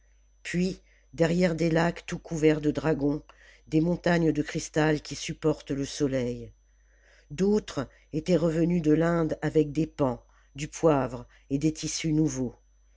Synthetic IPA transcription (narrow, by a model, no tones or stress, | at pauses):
pɥi | d̪ɛʁjɛʁd̪elakt̪ukʰuvɛʁd̪əd̪ʁaɡɔ̃d̪emɔ̃t̪aɲd̪əkχist̪alkʲisypɔʁt̪ləsɔlɛj | d̪ot̪χ | et̪ɛʁəvənyd̪əlɛ̃d̪avɛk̚d̪epɑ̃ | d̪ypwavʁ | ed̪et̪ʰisynuvo